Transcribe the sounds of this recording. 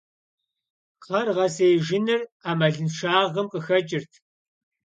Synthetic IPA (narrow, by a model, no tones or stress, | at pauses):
qʰɐrʁɐseːjʒɪnɨraːmɐɮɨnʂaːʁɐmqʼəxɐt͡ʃʼɪrtʰ